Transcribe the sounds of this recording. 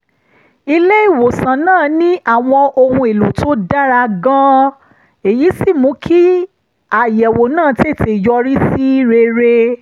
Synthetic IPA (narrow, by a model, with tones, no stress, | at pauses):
i˧le˦i˦˨wo˨sã˨nãː˦˨nĩ˦ʔa˦˨w̃ɔ̃˧ʔo˧hũ˧e˨lo˨tʰo˦da˦ɾa˧ɡã˦ | e˨ji˨˦si˦˨mũ˨˦kʰi˦ | a˨jɛ˨wo˨nãː˦˨te˦˨te˨jɔ˧ɾi˦si˦ɾe˧ɾe˧